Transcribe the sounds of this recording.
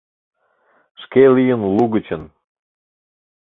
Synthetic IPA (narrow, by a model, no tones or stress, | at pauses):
ʃkelijənluɣət͡ɕən